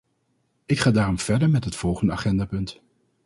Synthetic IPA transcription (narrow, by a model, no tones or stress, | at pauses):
ɪkχaːdaːrɔmv̥ɛɹdəɹmɛtɦətfɔlˠχəndəaːχɛndaːpɵnt